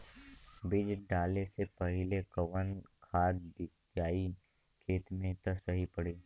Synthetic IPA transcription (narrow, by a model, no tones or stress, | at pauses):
bɪd͡ʒɖaːlesepɐɦɪlekəʋənkʰaːt̪dɪ | d͡ʒaːi | kʰeːt̪mẽt̪əsɐɦipɐɽeː